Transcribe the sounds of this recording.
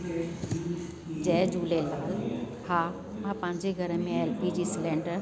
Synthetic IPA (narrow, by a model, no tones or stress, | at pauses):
d͡ʑɛːd͡ʑuːlelaːl | haː | mãpɐ̃ɲd͡ʑeɡʱɐɾəmẽelpid͡ʑiːsɪlẽːɳɖəɾ